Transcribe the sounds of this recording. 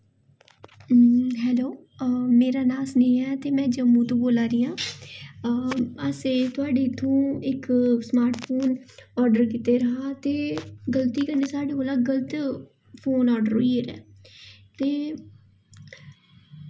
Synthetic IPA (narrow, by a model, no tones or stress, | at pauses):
ɦɛːloː | meːɾaːnaːsnẽːɛːt̪eːmɛ̃ːd͡ʒəmːũːt̪õːboːlaːɾɪjãː | əseːt̪ʊaːɖeːt̪ʰːõːɪksmaːɾʈʰpʰoːnɔːɾɖəɾkɪt̪eːɾəɦaːt̪eːɡəlt̪iːkəɾneːsaːɖeːoːlaːɡəlt̪ | pʰoːnɔːɾɖəɾoiːeːɾɛ̰ː | t̪eː